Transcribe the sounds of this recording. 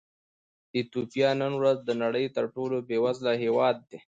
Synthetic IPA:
it̪upijɑnənwɾazd̪ənaɽəjt̪əɾʈolobewazlaɦewɑːd̪̚ːe

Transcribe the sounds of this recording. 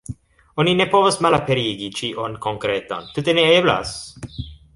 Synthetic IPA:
onine̞povosmalapeɾiɡit͡ʃiʔonkoŋkɾet̪o̰nt̪ut̪eneebla̰s

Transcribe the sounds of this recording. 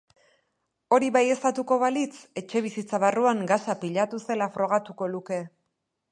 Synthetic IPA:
o̞ɾiβaje̞st̪at̪uko̞βalit͡se̞t͡ʃe̞β̞isit͡saβaruaŋɡasapiʎat̪use̞lafɾo̞ɣ̞at̪uko̞luke̞

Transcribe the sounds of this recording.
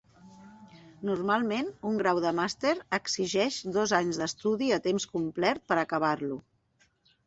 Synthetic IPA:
nurmalˠmenuŋɡɾawðəmast̪eɾəɡziʒɛʃd̪ɔzaɲzðəst̪uðiət̪emskumplɛɾt̪̚pəɾəkəβ̞arlu

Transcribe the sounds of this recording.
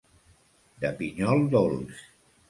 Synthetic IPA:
d̪əpiɲɔlˠd̪ols

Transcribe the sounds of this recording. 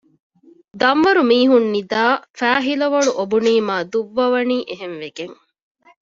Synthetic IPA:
d̪ɐmʋɐɾumiːɦunːid̪aːfæːɦilɐʋɐɭuʔobuniːmaːd̪uʋːɐʋɐniːʔeɦenʋeɡeŋ

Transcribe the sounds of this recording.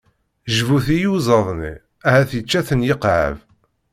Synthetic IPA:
ʒvuθijuzˤɑðˤnḭ | æhæθjət͡ʃːæθənjəqʕə̰v

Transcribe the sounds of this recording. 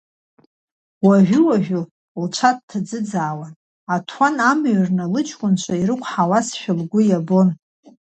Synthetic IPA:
waʒᶣʷʊwaʒᶣʊ | lt͡ʃʷʰat̚tʰːad͡zɨd͡zaːwan | atʰwanamɥrnalɨt͡ʃʰʼkʷʼʊnt͡ʃʷʰaiɾɨkʷʼʰħawasʃᶣʊlɡʷʊjabo̞n

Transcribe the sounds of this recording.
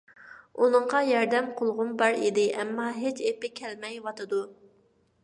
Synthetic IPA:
unɨɴʁɑjɑɾd̪ɛmqʰolˠʁʊnbɑɾid̪ɪʔɛmːɑɦet͡ʃepɪkʲʰɛlmɛjwɑt̪ʰɨd̪u

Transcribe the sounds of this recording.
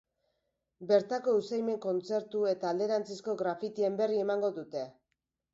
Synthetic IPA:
be̞ɾt̪ako̞usajme̞ŋko̞nt͡se̞ɾt̪ue̞t̪aːld̪e̞ɾant͡sisko̞ɣɾafit̪ie̞mbe̞rie̞maŋɡo̞ðut̪e̞

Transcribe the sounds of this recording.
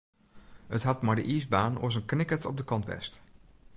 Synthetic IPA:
ətɦɑtmaɹdə̰ʔiːzbaːno̰zənknɪkətɔb̚dəkɑntʋɛ̰st

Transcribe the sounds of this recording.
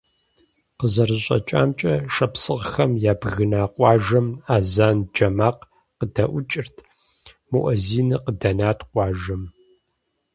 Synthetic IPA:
qəzɐrɨɕʼɐ̰t͡ʃʼa̰ːmt͡ʃʼɐʂɐpsɨʁxɐmjaːbɣɨnaːqʷʼɑːʒɐmaːzaːnd͡ʒɐmaːq | qədɐʔʷʊt͡ʃʼɪrtʰ | mṵʔɔziːnɨqədɐnaːtʰqʷɑːʒɐm

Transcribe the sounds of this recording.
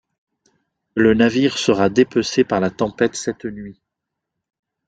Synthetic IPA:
lənaviʁsəʁad̪epøsepaʁlat̪ɑ̃pɛt̪sɛt̪nɥi

